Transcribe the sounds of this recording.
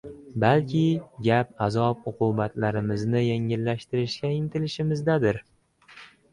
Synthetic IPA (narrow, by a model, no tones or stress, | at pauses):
balkʲʰɪɡʲap̚azɒp̚ʊqʰubat̪ʰlaɾɪmɪznɪjeŋɪlːaʃt̪ɪɾɪʃkʲaɪnt̪ʰɪlɪʃɪmɪzd̪ad̪ɪɾ